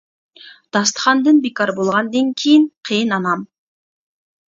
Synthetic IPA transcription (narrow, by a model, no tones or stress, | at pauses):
d̪̥ɑst̪χɑnd̪ɯnbikɑɾbolˠʁɑnd̪eŋkʲʰijiŋqʰijɯnɑnɑm